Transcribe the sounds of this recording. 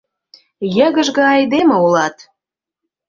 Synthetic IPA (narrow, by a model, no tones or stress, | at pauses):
jə̆ɣə̆ʒɣɑɑjd̪eməulɑt̪